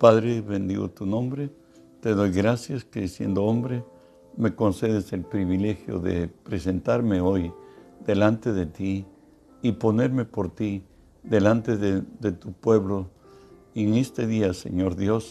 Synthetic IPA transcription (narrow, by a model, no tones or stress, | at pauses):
paðɾeβe̞nd̪ḭɣo̰t̪unõ̞mbɾe | t̪e̞ðo̞jɣɾasjaskeðisje̞̰nd̪oombɾe | me̞konse̞ðese̞lpɾiβile̞xjo̰ðḛpɾese̞nt̪aɾmeo̞jd̪e̞lant̪e̞ðet̪iː | po̞ne̞ɾme̞po̞ɾt̪i | ðe̞lant̪eðeðet̪upwe̞βlo | eŋest̪eðiasḛɲo̞ɾðjo̞s